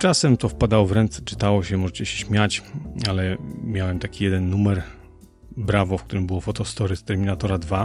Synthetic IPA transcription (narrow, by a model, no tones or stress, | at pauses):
t͡ʂasɛmt̪ɔfpad̪awɔvɾɛnt̪sɛ̥t͡ʂɘ̥t̪awɔɕɛmɔʐɛt͡ɕɛɕɛ̥ɕmʲjat͡ɕalɛmʲjawɛmt̪akʲijɛd̪ɛnːumɛɾ | bɾavɔfkt̪uɾɘmbɘwɔfɔt̪ɔst̪ɔɾɘst̪ɛɾmʲinat̪ɔɾad̪va